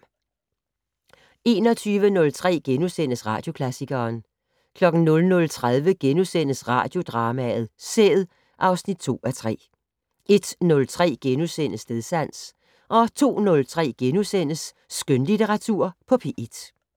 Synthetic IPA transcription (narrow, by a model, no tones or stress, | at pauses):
e̝ːnɒ̽t͡sʰyːʋənɔ̽lt͡sʰʁɛ̰ːɡ̥enusen̰əsʁɑ̰̈ːd̥jo̝kʰlæsiɡ̥ɐːn | kʰlɒ̽ɡ̥n̩nɔ̽lnɔ̽lt͡sʰʁað̞ˠʋəɡ̥enusen̰əsʁɑ̰̈ːd̥jo̝d̥ʁɑ̈ːmæð̞̩ˠsḛːð̩ˠ | ʔɑ̈ʊsnid̥̚t͡sʰo̝̰ːæt͡sʰʁɛ̰ː | ʔe̝d̥nɔ̽lt͡sʰʁɛ̰ːɡ̥enusen̰əsne̝ðˠsæn̰s | ʔɒ̽t͡sʰo̝̰ːnɔ̽lt͡sʰʁɛ̰ːɡ̥enusen̰əsː | ɡ̥ønlit͡sʰeʁɑ̈t͡sʰuɐ̰pʰɒ̽pʰeʔid̥